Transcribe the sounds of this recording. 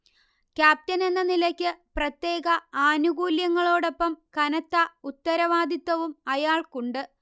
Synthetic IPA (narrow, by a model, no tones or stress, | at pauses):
kʲjaːp̚tɐne̞nːɐnilɐkʲːɨprɐt̪je̞ːɡɐaːnuɡuːljɐŋːɐɭoːɽo̞pːɐmkɐnɐt̪ːɐut̪ːɐɾɐʋaːd̪it̪ːɐʋumɐjaːɭkuɳɖɨ